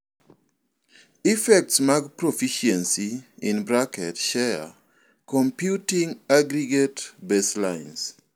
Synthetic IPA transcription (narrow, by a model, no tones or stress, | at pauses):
ifɛk̚tsmaɡpɾofiʃɛnsiinbɾakɛtʃɛa̰ | kompjutiŋaɡɾiɡetbɛslaɪns